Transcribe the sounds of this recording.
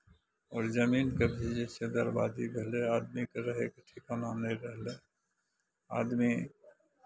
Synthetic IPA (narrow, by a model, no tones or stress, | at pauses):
ɔːɾzəmiːnkəbʱid͡ʒesed̪əɾbaːd̪ibʱəɦleaːd̪mikeɾəɦekʈʰikonaneɾəɦle | a̰ːd̪mi